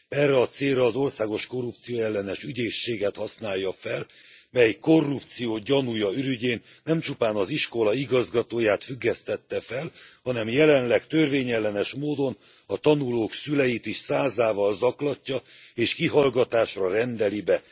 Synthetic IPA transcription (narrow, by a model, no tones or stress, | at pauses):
ɛrːɛɒt̪seːrːɒːzo̞rsaːɡo̞ʃko̞rːup̚t̪sijoːɛlːɛnɛʃyɟeːʃːeːɡɛt̪hɒsnaːjːɒfɛl | mɛjko̞rːupt̪sijoːɟɒnujɒyɾyɟeːnːɛmt͡ʃupaːnɒziʃko̞lɒiɡɒzɡɒt̪oːjaːt̪fyɡːɛst̪ɛt̪ːɛfɛlhɒnɛmjɛlɛnlɛkt̪ø̞rveːɲɛlːɛnɛʃmoːd̪o̞n | ɒt̪ɒnuloːksylɛjit̪iʃsaːzaːvɒlzɒklɒcːɒeːʃkiɦɒlɡɒt̪aːʃrɒɾɛnd̪ɛlibɛ